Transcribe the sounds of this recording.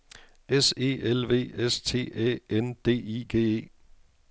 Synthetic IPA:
ese̝̰ːelʋe̝̰ːest͡sʰe̝̰ːɛ̰ːend̥e̝̰ːiɡ̥e̝̰ːe̝̰ː

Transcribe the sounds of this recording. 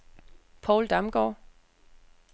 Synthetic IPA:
pʰɒʊld̥ɑ̈mɡ̥ɒ̰ː

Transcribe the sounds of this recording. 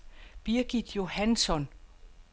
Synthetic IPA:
b̥iɐɡ̥id̥jo̝hænsɒ̽n

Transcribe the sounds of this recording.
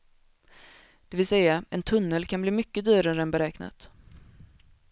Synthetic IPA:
d̪̥ɛvɪlsɛjːaɛnt̪ʰɵnːəlkʰanbliːmʏkːəd̪yːɾaɾəɛnbɛɾɛːkna̰t̪

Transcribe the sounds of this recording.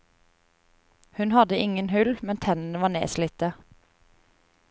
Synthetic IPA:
hʉnhɑd̪əʔɪŋənhʉlmɛnt̪ʰɛnənəʋɑːnḛːsliːt̪ə

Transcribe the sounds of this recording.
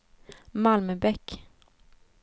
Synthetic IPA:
malmœbɛk

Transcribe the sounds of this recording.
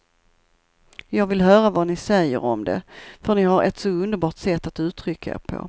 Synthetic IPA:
jɑːɡvɪlɦœːɾavanɪsɛjːə̰ɾɔmd̪ɛ̰fœɳɪɦaɾɛ̰t̪sɔɵnd̪əɾbɑːʈsɛt̪ːat̪ʉ̟ːt̪ʰɾʏkːaḛːɾpʰɔ̰

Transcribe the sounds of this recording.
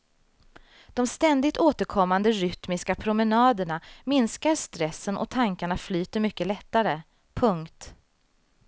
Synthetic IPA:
d̪̥ɔmst̪ɛnd̪ɪt̪oːt̪əɾkʰɔmːand̪əɾʏt̪mɪskapʰɾʊmɛnɑːd̪əɳamɪnskaɾʂt̪ɾɛsːənʔɔ̰t̪ʰaŋkaɳaflyːt̪əɾmʏkːəlɛt̪ːaɾə | pʰɵŋkt̪

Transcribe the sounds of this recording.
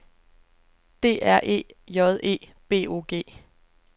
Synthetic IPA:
d̥e̝̰ːæɐ̰ʔe̝̰ːjɒðˠe̝̰ː | b̥e̝̰ːo̝̰ːɡ̥e̝̰ː

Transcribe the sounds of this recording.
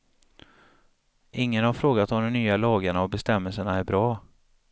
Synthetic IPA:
ʔɪŋːənhaɾfɾoːɡat̪ɔmd̪ɛmnyːalɑːɡaɳaɔbɛst̪ɛmːəlsəɳaæɾbɾɑː

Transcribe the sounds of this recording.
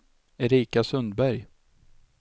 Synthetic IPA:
ɛɾiːkasɵnd̪bæɾj

